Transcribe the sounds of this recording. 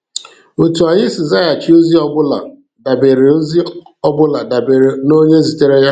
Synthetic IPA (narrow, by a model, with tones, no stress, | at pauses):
o˨tu˨a˨ɲɪ˦si˨za˦˨ja˨t͡ʃi˦o˦zi˦ɔ˦bʊ˦la̰˨ | da˨be˨ɾe˨o˦zi˦ɔ˦bʊ˦la˨da˨be˨ɾe˨no˦ɲe˦zi˨te˦ɾe˦ja˦